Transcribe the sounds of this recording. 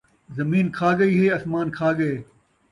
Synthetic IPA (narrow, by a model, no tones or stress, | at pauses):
zɐmiːnkʰaːɡɐiːɦeːɐsmaːnkʰaːɡɐeː